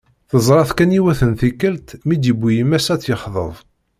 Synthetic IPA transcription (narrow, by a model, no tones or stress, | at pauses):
θəzˤɾˤɑθkæniwæθənθikːəlt̪mid̪jəbːijəmæsæt͡sːjəχðˤə̰ðˤ